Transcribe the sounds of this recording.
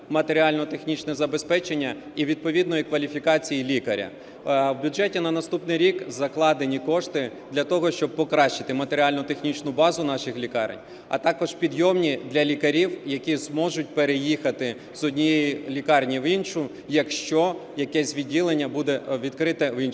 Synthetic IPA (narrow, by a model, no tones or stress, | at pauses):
mɐt̪eɾʲiɑlʲnɔt̪e̞xnʲit͡ʃnɛzɐbespɛt͡ʃenʲːɐ | iʋʲid̪̚pɔʋʲid̪nɔjikʋɐlʲifʲikɑt͡sʲijilʲikɐɾʲɐ̰ | wbʲʊd͡ʒɛtʲinɐnɐst̪upnɪjɾʲikzɐklˠɑd̪enʲikɔʃt̪ɪ | d̪lʲɐt̪ɔɦɔʃt͡ʃɔb̚pɔkɾɑʃt͡ʃːɪ̥t̪ɪmɐt̪eɾʲiɑlʲnʊt̪exnʲit͡ʃnʊbɑzʊnɑʃɪxlʲikɑ̰ɾḛnʲ | ɐ̰t̪ɑkɔʒpʲid̪jɔmnʲid̪lʲɐlʲikɐɾʲiwjɐkʲizmɔʒʊt̚ʲpeɾejixɐt̪ɪ | zɔdʲnʲijejilʲikɑrnʲiʋinʃʊ | jɐkʃt͡ʃɔjɐkɛsʲʋʲid̚ʲːilˠenʲːɐbud̪ɛʋʲid̪kɾɪt̪ɛʋinʃ